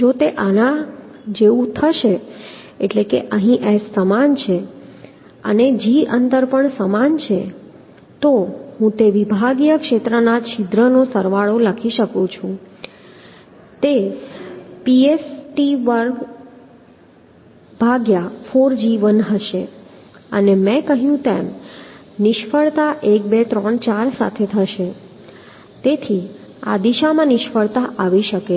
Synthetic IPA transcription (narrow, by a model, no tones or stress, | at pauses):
d͡ʒot̪eʔanãd͡ʒeʋũt̪ʰəʃe | eʈlekḛʔəɦĩʔɛsəmant͡ʃʰe | əned͡ʒiʔənd̪əɾpəɳsəmant͡ʃʰe | t̪oɦũt̪eʋibʱaɡjəkʃet̪ɾənat͡ʃʰid̪ɾənosəɾʋaɭoləkʰiʃəkũt͡ʃʰũ | t̪e | piesʈiʋəɾ | b̥ʱaɡjafoɾd͡ʒiʋənɦəʃe | ə̰nemɛ̃kəɦjũt̪em | nɪʃfəɭt̪aʔek̚bet̪ɾə̃ɳt͡ʃaɾsa̰t̪ʰet̪ʰəʃe | t̪et̪ʰi | a̰d̪iʃamãnɪʃfəɭt̪aʔaʋiʃəke